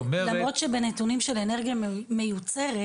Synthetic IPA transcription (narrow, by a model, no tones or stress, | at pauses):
lamʁo̞t̪ʃebenet̪unimʃeleneʁɡjamejut͡se̞ʁe